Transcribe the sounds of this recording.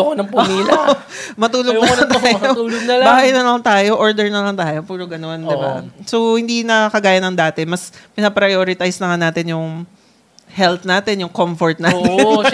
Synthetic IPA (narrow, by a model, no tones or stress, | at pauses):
konɐŋpʊmiːl | mɐt̪uːloɡ̪ɐt̪ːjouoɡnɐlbaːhɐjnɐlɐŋt̪aːjo̞ʔoɹd̪ɛɹnɐlɐŋt̪aːjo̞puːɾoɡɐno̞nd̪ɪba̰sohɪnd̪inɐkɐɡaːjɐnɐŋd̪aːt̪ɛmɐspɪnɐpɾɐjoːɾɪt̪ajsnɐŋanaːt̪ɪnjʊŋ | hɛlt̪naːt̪ɛnjʊŋkomfoɹt̪̚naːt̪n